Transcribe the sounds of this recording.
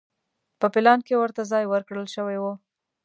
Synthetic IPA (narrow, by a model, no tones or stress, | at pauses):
pəpɪlɑnkewəɾt̪azɑjwəɾkɽəlʃəwajwo